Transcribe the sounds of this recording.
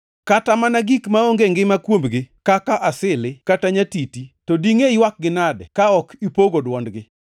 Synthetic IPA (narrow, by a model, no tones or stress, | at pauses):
katamanaɡikmaoŋɡeŋɡɪmakwombɡɪkakaʔasɪlɪkataɲatititodiŋeiwak̚ɡɪnadkaɔkipoɡodwɔndɡɪ